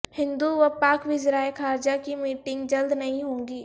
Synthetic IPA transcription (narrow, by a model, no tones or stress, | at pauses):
hɪ̃nd̪uʋɐpaːkʋɪzɾaːekʰaːɾd͡ʒakimiːʈɪ̃ŋɡd͡ʒɐld̪nɐɦĩɦõːŋɡiː